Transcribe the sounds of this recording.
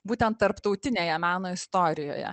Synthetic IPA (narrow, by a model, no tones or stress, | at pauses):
buːt̪ʲɛnt̪̚t̪ːɐɾpt̪ɒʊt̪ʲɪnʲeːjɛmɑːnoːɪst̪oːɾʲɪjo̰ːjɛ̰